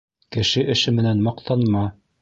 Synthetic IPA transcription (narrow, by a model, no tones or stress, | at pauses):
kɘ̆ʃɘʔɘ̆ʃɘmɘ̆nænmɑqt̪ʰɑnmɑ